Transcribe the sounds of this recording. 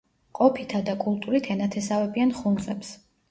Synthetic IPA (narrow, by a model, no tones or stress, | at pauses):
qʼɔpʰit̪ʰad̪akʼulˠt̪ʼuɾit̪ʰɛnat̪ʰɛsavɛbianχund̪sʼɛps